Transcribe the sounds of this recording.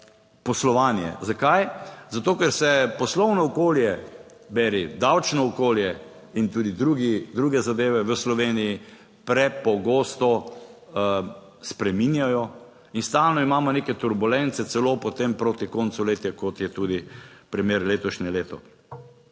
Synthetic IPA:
pɔslɔʋaːnjɛ̰zakajzat̪oːkɛɾsɛpɔslɔwnɔːkoːljɛ | bɛɾid̪awt͡ʃnɔːkoːljɛ | int̪uːd̪id̪ɾuːɡid̪ɾuɡɛzad̪eːʋɛʋəslɔʋeːniji | pɾɛpɔɡoːst̪ɔ | spɾɛminjajɔ | inst̪alnɔimaːmɔnekɛt̪uɾbulɛnt̪sɛsɛloːpɔt̪empɾoːt̪ikontsuleːt̪jɛkɔt̪jɛt̪uːd̪ipɾimeːɾleːt̪ɔʃɲɛleːt̪ɔ

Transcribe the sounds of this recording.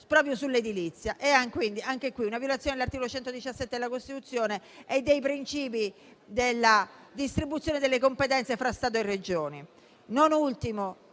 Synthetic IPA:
pɾɔːpɾjosulːed̪ilit̪sːjaʔɛaŋkwind̪iaŋkekːwiunavjolat̪sjoned̪elart̪ikolot͡ʃɛnt̪od̪it͡ʃasːɛt̪ːed̪elakost̪it̪ut̪sːjoːneed̪ːejpɾint͡ʃiːp̬i | d̪elːad̪ist̪ɾibut̪sːjoːned̪elːekompet̪ɛnt̪sefɾast̪aːt̪̬oerːed͡ʒoːni | nonult̪imo

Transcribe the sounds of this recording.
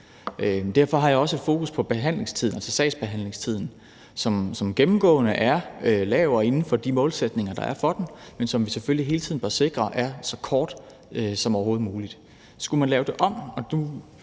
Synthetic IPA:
ʔød̥æɐ̰fɒ̽ɦɑ̈jɑ̈ɒ̽səe̝d̥fo̝ːkʰuspʰɒ̽b̥e̝ɦæn̰le̝ŋst͡sʰið̰ˠn̩ælsɒsɛɪsb̥e̝ɦæn̰le̝ŋst͡sʰið̞̰ˠn̩ | sɒ̽msɒ̽mɡ̥emm̩ɡ̥ɔ̰̽ːnəʔæɐølɛːʊɐe̝nn̩fɒ̽d̥imɔ̽ːlsed̥ne̝ŋɐd̥ɑ̈æɐfɒ̽d̥enmensɒ̽mʋisefølliɦe̝ːlt͡sʰið̩ˠb̥ɶɐse̝ɡ̥ʁɐʔæɐsɒ̽kʰɒːd̥ | øsɒ̽mɒʊɐɦo̝ːð̞̩ˠmuːlid̥ | sɡ̥umænlɛːʊd̥e̝ʔɒ̽m̰ɒ̽d̥u

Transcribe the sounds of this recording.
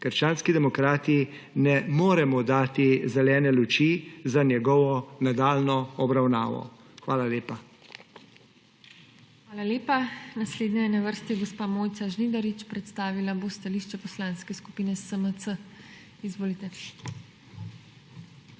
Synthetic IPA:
kəɾʃt͡ʃaːnskid̪ɛmɔkɾaːt̪i | nɛmoːɾɛmɔd̪aːt̪izɛlɛːnɛlut͡ʃiːzanjɛɡɔʋɔnad̪aːlnɔɔbɾawna̰ːʋɔ̰ | xʋaːlaleːpa | xʋaːlaleːpanasleːd̪nɛjɛnaʋəɾst̪iɡospaːmoːjt̪saʒnid̪ɐɾit͡ʃpɾɛt̪st̪aːʋilabost̪aliʃt͡ʃɛpɔslaːnskɛsku̥piːnɛsəməsə | izʋoːlit̪ɛ

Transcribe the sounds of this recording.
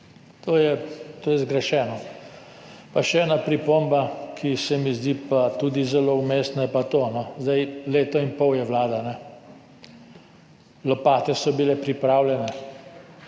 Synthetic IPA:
t̪ʰoːjɛt̪oːjɛzɡɾɛʃɛːnɔ | paʃɛɛːnapɾipombakʰisɛmizd̪ipat̪ud̪izɛloumeːst̪najɛpat̪onɔzd̪ajleːt̪ɔinpɔwjɛʋlaːd̪anɛ | lɔpaːt̪ɛsɔbilɛpɾipɾaːwljɛnɛ

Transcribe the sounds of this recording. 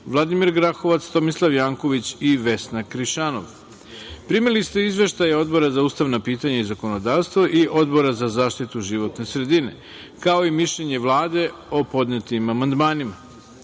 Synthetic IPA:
ʋlˠad̪imiɾɡɾaxo̞ʋat̪st̪o̞mislˠaʋjaːŋko̞ʋit͡ɕiʋe̞snakɾiʃano̰ʋ | pɾimilist̪eizʋe̞ʃt̪ajao̞d̪bo̞ɾazauːst̪aʋnapiːt̪aɲaizako̞no̞d̪aːʋst̪ʋoʔiʔo̞d̪bo̞ɾazazaːʃt̪it̪uʒiʋo̞t̪ne̞sɾe̞d̪ine̞̰ | kao̞imiʃʎeɲe̞ʋlˠaːd̪e̞o̞po̞d̪net̪imamand̪maːnima

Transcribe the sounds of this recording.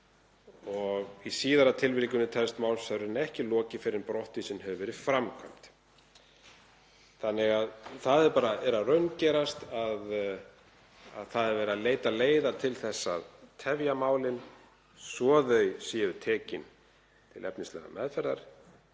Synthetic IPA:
ɔɣisiːðaɾat̪ʰɪlvɪɾikʏnːʏt̪ʰɛlst̪maːwlsaɾɾɪnɛhcɪlɔːcɪfɪɾɪɾpɾɔwht̪ɪsɛnɦɛvʏvɛːɾɪfɾamkʰajm̥t̪ | θanːɪɣaðθaðɛɾpaːɾaɛɾarœɥncɛːɾast̪að | a̰ðθaðɛɾvɛːɾaleːjt̪aleːjðaɾt̪ʰɪlθɛsːa̰ðt̪ʰɛvjamaːwlɪn | sɔːðœɥsɛvʏt̪ʰɛːcɪn | t̪ʰɪlʔɛpnɪst̪lɛ̰ɣa̰mʔɛðfɛɾðaɾ̥

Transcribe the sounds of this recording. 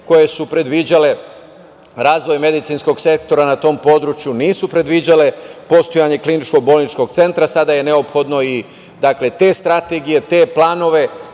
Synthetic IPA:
ko̞je̞supɾe̞d̪ʋid͡ʑale̞ | ɾaːzʋo̞jme̞d̪it̪sinsko̞ɡse̞k̚t̪o̞ɾanat̪o̞mpo̞d̪ɾut͡ʃjuniːsupɾe̞d̪ʋid͡ʑale̞po̞st̪o̞jaɲe̞klinit͡ʃkoɡ̚bo̞ːlˠnit͡ʃko̞ɡ̚t̪se̞nt̪ɾasad̪aje̞ne̞o̞pxo̞d̪no̞i | d̪akle̞t̪e̞st̪ɾat̪e̞ɡije̞t̪e̞ːplaːno̞ʋe̞

